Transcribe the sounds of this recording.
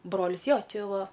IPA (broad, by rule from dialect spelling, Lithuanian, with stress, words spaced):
ˈbroːlʲɪs ˈjoː ˈt͡ʃʲeː ˈʋɐ